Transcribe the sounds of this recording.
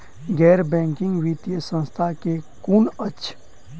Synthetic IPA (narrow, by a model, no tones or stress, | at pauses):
ɡɛːɾbɛ̃ːŋkɪ̃ŋɡʋit̪jəsə̃nst̪ʰakekunət͡ʃʰ